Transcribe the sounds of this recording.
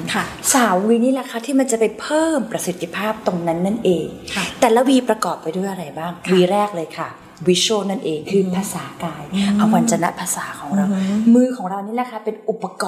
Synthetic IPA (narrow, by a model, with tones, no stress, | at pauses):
kʰsaː˨˩˦wwiː˧niː˥lɛ˧˩kʰa˥t̪ʰiː˥˩ma˧nt͡ɕa˨˩pa˧jpʰɤː˥˩mpɾa˧si˨˩t̪ʰːi˧˩pʰaː˥˩p̚t̪o˧ŋna˦˥nːa˦˥˩nʔeː˧ŋt̪ɛː˨˩la˦˥wiː˧pɾa˧kɔː˨˩p̚ːa˧jdu˥˩˨jʔa˧ɾa˧jbaː˥˩ŋwiː˧ɾɛː˥˩k̚lɤː˧jkʰa˥˩ | wi˦˥t͡ɕʰoː˥˩na˥˩nʔeː˧ŋkʰɯː˧pʰaː˧saː˩˦kaː˧jʔa˧wwa˧nt͡ɕa˧na̰˦˥ʔpʰaː˧saː˩˦kʰɔː˩˦ŋɾa˧wmɯː˧kʰɔː˩˦ŋɾa˧wniː˦˥lɛ˧˩kʰa˥˩pe˧nʔu˨˩pːa˧kɔː˧